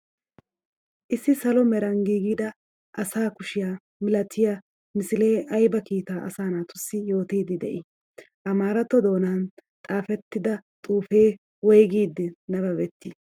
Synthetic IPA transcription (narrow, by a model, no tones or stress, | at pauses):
ʔɪsːɪsɐlɔmɛɾɐŋɡiːɡiːd̪ɐ | ʔɐsaːkʊʃɪjaː | mɪlɐt̪ʰːɪja | mɪsɪle̞ːʔɐjbɐkiːt̪aːʔɐ̰saːnaːt̪ʊsːɪjo̞ːt̪iːd̪ɪd̪ɛʔɪ | ʔɐmaːɾɐt̪ːɔd̪o̞ːnant̪ʼaːfɛt̪ːɪd̪ɐt̪ʼuːfe̞ː | wɔjɡiːd̪ːɪnɐbɐbɛt̪ːiː